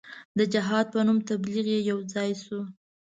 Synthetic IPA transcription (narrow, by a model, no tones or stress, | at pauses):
d̪əd͡ʒɪɦɑd̪̚pənumt̪abliɣjejawd͡zɑjsu